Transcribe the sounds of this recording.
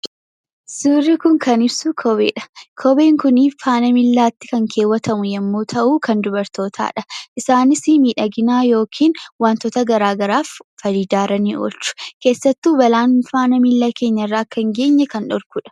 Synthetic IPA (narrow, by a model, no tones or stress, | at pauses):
suːrːɪkʊŋkʰɐnɪbsʊkʰɔbḛːᶑɐ̥kʰɔbe̞ːŋkʊniːfaːnɐmɪlːaːt̪ːɪ̥kɐŋkʰe̞ːwːɐt̪ʰɐmʊjɛmːoːt̪ʰɐʔuːkɐnd̪ʊbɐɾt̪o̞ːt̪ʰa̰ːᶑɐʔɪsaːnɪsimiːᶑɐɡɪnaːjo̞ːkʰiːnwaːnt̪ɔt̪ɐɡɐɾaːɡɐɾaːfːɐɾiːd̪aːɾɐnḭːʔo̰ːlt͡ʃːʊ̥ke̞ːsːɐt̪ːuːbɐlaːnfaːnɐmɪlːake̞ːɲːɐrːaːkːɐŋɡe̞ːɲːɐkɐnᶑɔɾkʊᶑɐ̥